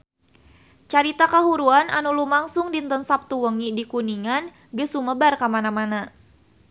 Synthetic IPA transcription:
t͡ʃaɾit̪akaɦuɾuananulumaŋsʊŋdint̪ənsap̚t̪uwəŋidikuniŋan | ɡəsuməbarkamanamana

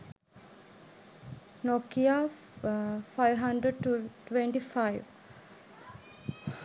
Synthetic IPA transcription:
nokia | fajʋɦaɳɖɾəɖ̚ʈʈʋeɳʈifajʋ

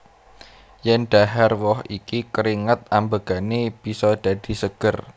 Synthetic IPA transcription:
jɛnɖ̥aɦɛrwɔhikikəɾiŋət̪̚ambəɡ̥a̤neb̥i̤sɔɖ̥ä̤d̥i̤səɡ̥ər

